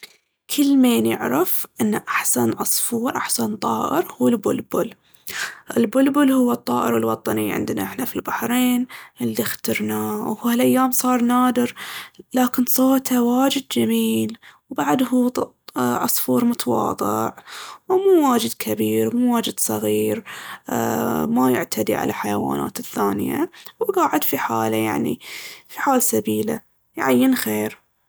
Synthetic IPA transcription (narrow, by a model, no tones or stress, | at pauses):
kʰɪlːmeːnjɪ̰ʕɾafʔɪnːaʔaħsanʕɑsˤfuːɾʔaħsant̪ˤɑːʔɪ̰ɾhuːɪlbʊlbʊl | ʔɪlbʊlbʊlhʊwːɨt̪ˤːɑ̰ːʔɪ̰ɾɪlwɑt̪ˤɑniʕɪ̰nd̪na̰ʔɪħnafilbaħɾeːnʔɪlːixt̪ɪɾnawhuhalʔajːaːmsˤɑːɾˤnaːd̪ɪɾlaːkɪnsˤoːt̪awaːd͡ʒɪd̪̚d͡ʒamiːlwbaʕd̪hut̪ | ʕɑsˤfuːɾˤmʊt̪ɑwɑ̰ːd̪ˤɨ̰ʕwmuːwaːd͡ʒɪd̪kʰabiːɾmuːwaːd͡ʒɪd̪sˤɑɣiːɾ | majɪ̰ʕt̪ʰad̪ḭʕa̰la̰lħajawa̰ːna̰ːt̪ɪθːaːnɪja̰wɡaːʕɪd̪fiħa̰ːlaja̰ʕnḭfiħaːlsabiːla̰ | jʕajːɪnxeːɾ